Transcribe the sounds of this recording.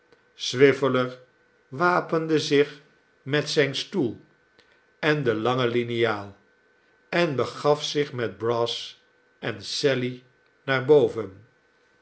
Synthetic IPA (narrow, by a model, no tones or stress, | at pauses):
sʋɪvələɹ | ʋaːpəndəzɪχ | mɛtsɛjnstulˠ | ɛndəlɑŋəlinijaːlˠ | ɛnbəχɑfsɪχmɛd̚brɔs | ʔɛnsɛli | naːɹbowvən